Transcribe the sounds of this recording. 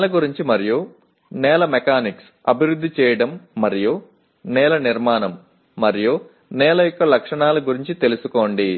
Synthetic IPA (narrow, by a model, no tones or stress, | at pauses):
lɐɡuɾiɲt͡ʃimɐɾiju | nɛːlɐmɛkaːniks | ɐbʱiɾud̪ːit͡ʃɛːjɐɽɐmːɐɾiju | nɛːlɐniɾmaːnɐmː | ɐɾiju | nɛːlɐjɔkːɐlɐkʂɐɳaːluɡuɾiɲt͡ʃit̪e̞lusuko̞ːɳɖi